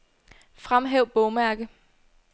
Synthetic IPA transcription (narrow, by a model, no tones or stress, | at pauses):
fʁamɦeʊb̥ɔʊmæɐɡ̥ə